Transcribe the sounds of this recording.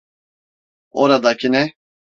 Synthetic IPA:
oɾad̪acʰinɛ

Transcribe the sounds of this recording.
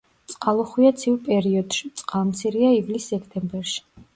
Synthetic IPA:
t̪sʼqʼalˠuχwiat̪sʰivpʼɛɾiɔd̪̥ʃit̪sʼqʼalˠmt̪sʰiɾiaivlisːɛkʰt̪ʼɛmbɛɾʃi̥

